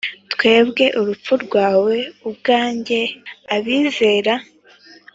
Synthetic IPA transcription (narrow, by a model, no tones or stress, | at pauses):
t̪kwe̞ːbɡe̞ʔuɾup͡fuɾɡwaːwe̞ubɡaːɲɟe̞aβiːze̞ːɾa